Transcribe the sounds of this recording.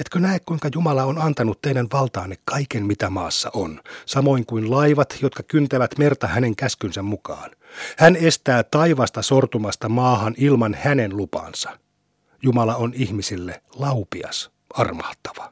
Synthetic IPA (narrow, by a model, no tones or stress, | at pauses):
et̪kønæekkuiŋkɑjumɑlɑonɑnt̪ɑnut̪ːeinænʋɑlt̪ɑːnːekkɑikenmit̪æmɑːsːɑ̰ʔonsɑmo̞iŋkuinlɑiʋɑt̪jot̪kɑkynt̪æʋæt̪mert̪ɑhæneŋkæskynsæmmukɑ̰ːn | hænest̪æːt̪ɑiʋɑst̪ɑsort̪umɑst̪ɑmɑːhɑnilmɑnhænenlupɑ̰ːnsɑ̥ | jumɑlɑonihmisilːelɑupiɑ̰s | ɑrmɑht̪ːɑ̥ʋɑ̥